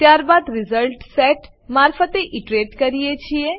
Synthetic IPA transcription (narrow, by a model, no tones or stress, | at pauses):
t̪jaːɾbaːd̪ɾɪzəlʈsɛʈ | maːɾfət̪eʔiʈɾeːʈkəɾijet͡ʃʰie